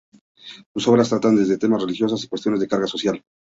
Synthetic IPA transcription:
t̪uso̞βɾast̪ɾat̪and̪e̞zðet̪e̞masre̞lixjo̞s̬asi̥kwest̪jo̞ne̞zðe̞kaɾɣaso̞sjal

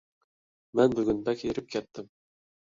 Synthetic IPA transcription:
mænbʊɡʲʏnbækʲeɾɪp̚kʲʰɛt̪ːɪm

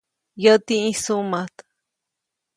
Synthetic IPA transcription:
jət̪iĩsumat̪

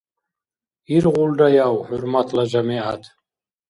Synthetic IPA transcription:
irʁʷʊldajawħʊrmatʰlaʒamiatʰʼ

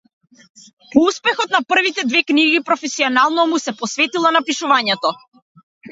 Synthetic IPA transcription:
pɔuspɛxɔt̪̚napr̩vit̪ɛd̪vɛkniɡipɾɔfɛsiɔnalˠnɔmusɛpɔsvɛt̪ilˠanapiʃuvaɲɛt̪ɔ

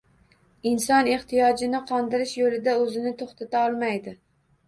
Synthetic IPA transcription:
ɪnsɒneχt̪ʰijɒd͡ʒɪnɪqʰɒnd̪ɪɾɪʃjolɪd̪aɵzɪnɪt̪ʰoχt̪ʰat̪aɒlˠmajd̪ɪ

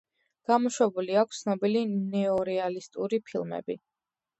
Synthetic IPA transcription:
ɡ̥amɔʃwɛbuliakʷʰst̪ʰnɔbilinɛɔɾɛalist̪ʼuɾipʰilˠmɛ̰bi

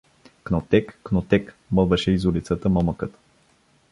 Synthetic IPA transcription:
knɔt̪ɛkːnɔt̪ɛk | məlˠvəʃɛizulit̪sət̪əmaməkət̪

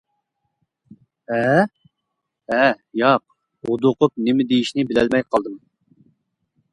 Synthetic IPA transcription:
ɛ | ɛ | jɑq̚ | ud̪ʊqʊp̚nɪmɪd̪ejiʃnɪbɪlɛlmɛjqʰɑlˠd̪ɨm

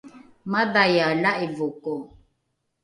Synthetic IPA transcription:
madajalaʔevokɔ

